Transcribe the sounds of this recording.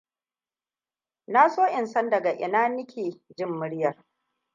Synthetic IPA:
na˦soː˦ʔɪ˨nsɐ˦ndɐ˨ɡa˨ʔɪ̰˨naː˦nɪ˦kʲʰeː˨d͡ʒɪ˦˨mːʊ˦ɽjɐ˨r

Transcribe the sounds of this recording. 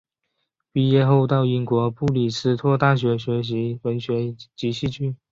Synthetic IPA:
pi˥˧jɛ˥˧xo˥˧ʊt̪ɑ˥˩ʊi˧˥nkwɔ˧˥pu˥˩li˨˩sʰɹ̩˥˧t̪ʰwɔ˥˧t̪a˥˩ɕ̬ɥɛ˧˥ɕɥɛ˧˥ɕ̬i˧˥wə˧˥nɕɥɛ˧˥t͡ɕi˧˥ɕi˥˧t͡ɕʰy˥˩n

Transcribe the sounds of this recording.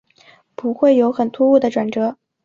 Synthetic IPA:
pu˧˥xwe˥˩ɪjo˧˥ʊxə˨˩nt̪ʰu˥u˥˩d̪ə˩ʈ͡ʂwa˨˩nʈ͡ʂɤ˧˥

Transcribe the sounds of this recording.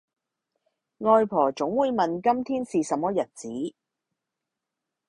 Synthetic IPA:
ŋɔː˧jpʰɔː˨˩t͡sʊ˨˥ŋwuː˨˧jmɐ˨nkɐ˥mt̪ʰiː˥nsiː˨sɐ˨˥mːɔː˥jɐ˨t̚t͡siː˨˥

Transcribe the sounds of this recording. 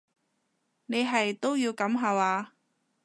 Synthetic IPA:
ne˨˧jɦɐ˨jt̪o˥wjiː˧wkɐ˨˥mɦɐː˨˧waː˨˧

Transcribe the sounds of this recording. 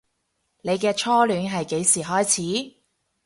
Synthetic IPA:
ne˨˧jkɛː˧t͡ʃʰɔː˥lyː˨˥nɦɐ˨jke˨˥jsiː˨˩ɦɔː˥jt͡sʰiː˨˥

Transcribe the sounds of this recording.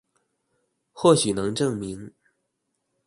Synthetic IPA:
xwɔ˥˩ɕy˨˩nɤ˧˥ŋʈ͡ʂɤ˥˩ŋmi˧˥ŋ

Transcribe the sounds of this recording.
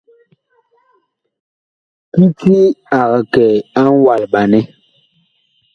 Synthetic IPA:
ki˦ti˦a˨ɣa˨kɛ˨a˦ŋ˦wa˨lɓa˨nɛ˦

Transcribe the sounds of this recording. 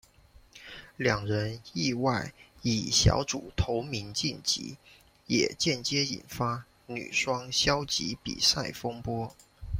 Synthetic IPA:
ljɑ˨˩ŋɻə˧˦˥ni˥˧wa˥˩ɪi˨˩ɕjɑ̰˧˥ʊʈ͡ʂṵ˨˩t̪ʰo˧˥ʊmi˧˥nt͡ɕi˥˩nt͡ɕḭ˧˥ | jɛ̰˨˩t͡ɕjɛ˥˩nt͡ɕjɛ˥ḭ˨˩nfa˥ | ny̰˨˩ʂwɑ˥ŋɕjɑ˥ʊt͡ɕḭ˧˥pḭ˨˩sa˥˩ɪfɤ˥ŋpwɔ˥

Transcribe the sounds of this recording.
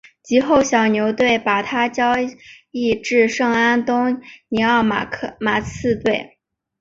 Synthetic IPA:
t͡ɕi˧˥xo˥˩ʊɕjɑ˨˩ʊnjo˧˥ʊt̪we˥˩ɪpa˨˩t̪ʰa˥t͡ɕjɑ˥ʊi˥˧ʈ͡ʂɻ̩˥˧ʂɤ˥˩ŋa˥nt̪ʊ˥ŋni˧˥ɑ˥˩ʊ˥ma˨˩t͡sʰɹ̩˥˧t̪we˥˩ɪ

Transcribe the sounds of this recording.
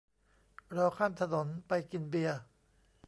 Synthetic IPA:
ɾɔː˧wkʰaː˥˩mt̪ʰa˧no˩˦npa˧jki˧nbi˧ɐ

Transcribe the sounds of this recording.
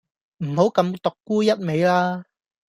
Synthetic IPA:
m̩˨˩ho˨˥wkɐ˨˧mt̪ʊ˨kːuː˥jɐ˥t̚me˨˧jlaː˥

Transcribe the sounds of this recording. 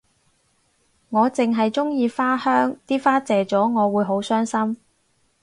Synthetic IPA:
ŋɔː˨˧t͡sɪ˨˩ŋɦɐ˨jt͡sʊ˥ŋjiː˧faː˥hœː˥ŋt̪iː˥faː˥t͡sɛː˨t͡sɔː˨˥ŋɔː˨˧wuː˨˧jɦo˨˥wsœː˥ŋsɐ˥m

